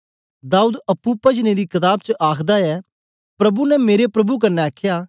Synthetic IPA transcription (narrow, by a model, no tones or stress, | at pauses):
d̪aːuːd̪ɐpːupɐd͡ʒned̪iːkɪt̪aːb̚t͡ʃəʔaːkʰd̪aɛː | pɾɐbunɛmeːɾepɾɐbuk̬ɐɾnɛaːkʰjaː